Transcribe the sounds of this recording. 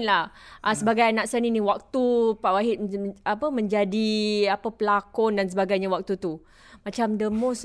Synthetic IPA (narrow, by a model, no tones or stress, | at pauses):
nlahʔasəbaɡajanãʔsəniniwak̚t̪upaʔwaɦɪt̪̚apəmə̃ɲd͡ʒadiapəpəlakɔndansəbaɡajɲawak̚t̪ut̪u | mat͡ʃamdəmos